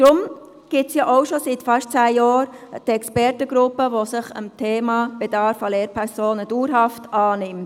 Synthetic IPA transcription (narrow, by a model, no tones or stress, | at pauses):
d̥ɾʊm | ɡ̥ɪtsjɑʔaʊʃositfɑʃtt͡sæːjɑːɾ | d̥ɛkspɛɾtəɡ̥ɾʊpːəʋosɪχəmtʰeːmɑːb̥ed̥ɑɾfɑleːɾpʰɛɾsoːnəd̥uːɾɦɑftɑːnɪmt